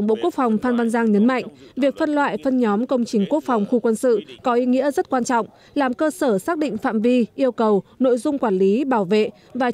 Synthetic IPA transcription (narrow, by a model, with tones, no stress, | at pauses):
wŋ͡mɓo̰˧˨ku˦˥ək̚fa˨˩wŋ͡mfaː˧nva˧nzaː˧ŋɲə˨˦nma̰˧˨jŋ̟vi˨˩ək̚fə˧nlwa̰ː˧˨jfə˧nɲɔ˨˦mkə˧wŋ͡mt͡ɕï˨˩ŋ̟ku˦˥ək̚fa˨˩wŋ͡mxu˧kwə˧nsɨ̰˧˨kɔ˨˦ʔi˨˦ŋḭ˧˥əzə˦˥t̚kwaː˧nt͡ɕɔ̰˧˨wŋ͡m | laː˨˩mkəː˧səː˧˩saː˦˥k̚ɗḭ̈˧˨ŋ̟fa̰ː˧˨mvi˧ʔi˧əwkə˨˩wno̰˧˨jzʊ˧ŋ͡mkwaː˧˩nli˨˦ɓaː˧˩wvḛ˧˨ | vaː˨˩